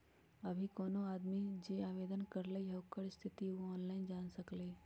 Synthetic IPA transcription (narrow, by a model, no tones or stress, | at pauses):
ɐbʱikɔːnõaːd̪mid͡ʒeːaːʋeːd̪ənkɐɾləiɦɐkːəɾɪst̪ʰɪt̪iɔːnlaːɪnd͡ʒaːnsɐkleː